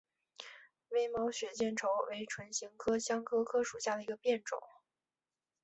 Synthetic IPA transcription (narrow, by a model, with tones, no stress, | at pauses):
we˥ɪmɑ˧˥ʊɕɥɛ˨˩t͡ɕjɛ˥˩nʈ͡ʂʰo˧˥ʊwe˧˥ɪʈ͡ʂʰwə˧˥nɕi˧˥ŋkʰɤ˥ɕjɑ˥ŋkʰɤ˥kʰɤ˥ʂu˨˩ɕja˥˩d̪ə˩i˧˥ɡə˧pjɛ˥˩nʈ͡ʂʊ̰˨˩˦